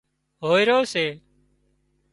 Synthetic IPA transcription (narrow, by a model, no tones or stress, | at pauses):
ɦoːiːɾoːseː